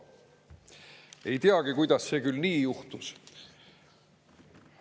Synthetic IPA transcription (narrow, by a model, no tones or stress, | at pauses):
e̞jt̪iɑɡikujd̪̥ɑsːe̞ːkylniːjuht̪us